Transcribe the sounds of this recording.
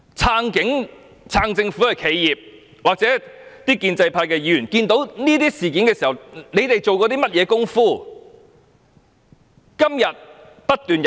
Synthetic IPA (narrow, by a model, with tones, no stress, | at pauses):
t͡sʰaː˧˥ŋkɪ˨˥ŋ | t͡sʰaː˧ŋt͡sɪ˧ŋfu˨˥hɐ˨jkʰe˨˥jjiː˨p̚ | waː˨k̚t͡sɛː˨˥t̪iː˥kiː˧nt͡sɐ˧jpʰaː˧jkɛ˧jyː˨˩nkiː˧nt̪o˨˥wniː˥t̪iː˥siː˨k̬i˨˥nkɛː˧siː˨˩hɐ˨wne˨˧jt̪e˨jt͡so˨wkɔː˧t̪iː˥mɐ˥t̚jɛː˨˧kʊ˥ŋfuː˥ | kɐ˥mjɐ˨t̚ | pɐ˥t̚t̪yː˨nj